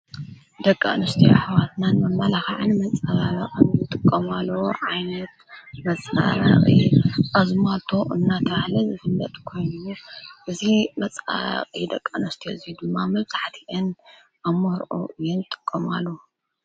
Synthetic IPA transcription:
d̪ɐkʼːa̰nɐst̪ʰiħawat̪nanmɐmːɐlaxaʕanmɐt͡sʼaβaβɐqʼɨnɨt̪ʼɨkʼːɐmalːɐwʕajnɐt̪mɐt͡sʼa̰βa̰χʼḭʔazmat̪ʰo̞ʔɨnːat̪ʰɐβahlɐzɨfɨmbɐt̪ʼkʰo̞jnuʔɨzimɐt͡sʼa̰ɾ̰qʼid̪ɐkʼːanɐst̪ʰijoɨziud̪ɨmːamɐβzaħt̪ʰiʔɨn | ʔamoɾʔo̰ʔɨjɛnɨt̪ʼɨ̥kʼːomalːo

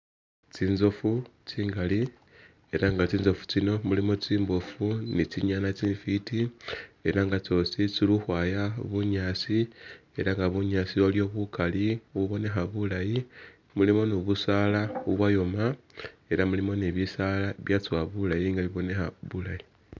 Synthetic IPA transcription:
t͡sinzo̞fut͡siːŋɡali | e̞ɾaŋɡat͡siːnzo̞fu̥t͡sino̞mulimo̞t͡siːmbo̞funit͡siɲanat͡siːɱfitie̞ɾaŋɡat͡so̞sit͡siluxwaːjaβuɲaːt͡sie̞ɾaŋɡaβuɲaːt͡sioljo̞βukaliuβo̞ne̞xaβulaji | mulimo̞noβusaːlauβwajo̞ma | e̞ɾamulimo̞neβisalaβjat͡swaβulajiŋɡaβiβo̞ne̞xaβulaji

